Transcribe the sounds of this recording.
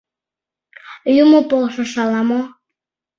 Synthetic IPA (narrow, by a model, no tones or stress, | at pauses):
jumopolʃoʃɑlɑmo